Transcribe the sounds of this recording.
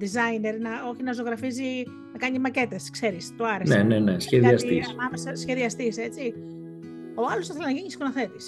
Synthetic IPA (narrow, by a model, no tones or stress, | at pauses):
d̪izɐjne̞ɾnɐo̞çinɐzo̞ɣɾɐfizi | nɐkɐɲimɐce̞t̪eskse̞ɾist̪oɐɾenenenesçeðiɐsisɐmesɐsçe̞ðiɐst̪ise̞t͡si | o̞ɐlosθɐθelenɐʝiɲiskonoθe̞t̪is